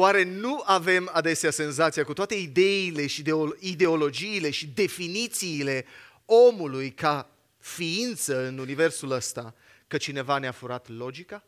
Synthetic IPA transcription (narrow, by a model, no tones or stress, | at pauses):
oaɾe̞nuave̞mad̪e̞sease̞nzat̪sijakut̪oat̪e̞id̪e̞ile̞ʃid̪eoid̪e̞o̞lo̞d͡ʒiːle̞ʃid̪e̞finit̪siːle̞ | o̞mulujka | fiint̪səɨnunive̞rsuləst̪a | kət͡ʃine̞vaneafuɾat̪lo̞d͡ʒika